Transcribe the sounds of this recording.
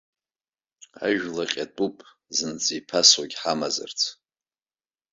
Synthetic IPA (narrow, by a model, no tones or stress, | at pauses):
a̰ʒᶣlaqʲʼatʼupʼ | zɨnt͡sʼipʰaswaɡʲħamazɨ̰rt͡sʰ